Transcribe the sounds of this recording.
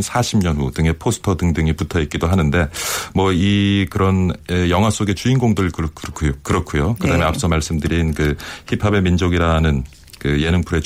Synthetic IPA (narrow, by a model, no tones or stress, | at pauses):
sʰaɕʰimɲʌnudɯŋe̞pʰosʰɯ̥tʰʌdɯŋdɯŋiputʰʌit̚k͈idoɦanɯnde̞mwʌikɯɾʌnejʌŋɦwas͈oɡe̞t͡ɕuinɡoŋdɯɭkɯɾkɯkʰujokɯɾʌkʰujokkɯdaɦɯme̞ap̚s͈ʌmaɭs͈ɯmdɯɾinkɯçipʰabe̞mind͡ʑoɡiɾanɯn | kɯje̞nɯŋpʰuɾe̞t͡ɕ